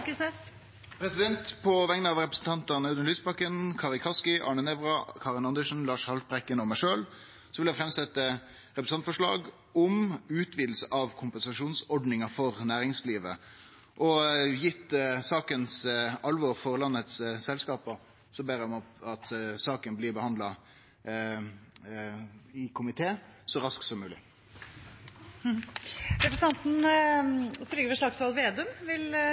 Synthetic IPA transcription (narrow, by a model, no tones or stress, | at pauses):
kəsnɛs | pʰɾɛsɪd̪ɛnt̪pʰɔʋɛŋnəɑʋɾɛpɾəsn̩t̪ɑnt̪ɑnɑʉd̪ənlyːsbɑkənkʰɑːʁɪkʰɑskɪʔɑ̰ːɳənɛʋʁɑkʰɑːʁɪnɑnd̪əʂn̩lɑːʂhɑlt̪̚bʁɛkːənɔmæɪʂøːl | sɔʋɪljæɪfʁɛmsɛt̪ːə | ʁɛpɾsɑnfɔʂɭɑ̰ːɡ | ɔmʉːt̪ʰʋiːd̪l̩səʔɑʋkʰʊmpɛnsɑʂuːnsɔɖnɪŋɑfɔʁnæːɾɪŋsliːʋə̰ | ʔɔjɪt̪ːsɑːkənsɑlʋɔʁfɔʁlɑnːət̪ssɛlskɑːpɔ | sɔbeːɾmɑt̪sɑːkənblɪbəhɑnd̪lɑ | ɪkʰʊmɪt̪ʰeːsɔɾɑsk̪sɔmːʉːlɪ | d̪ɛpɾəsɑnt̪n | sɔlɪɡəɾʋɪʂɭɑksʋɑlʋeːd̪ʉmʋɪl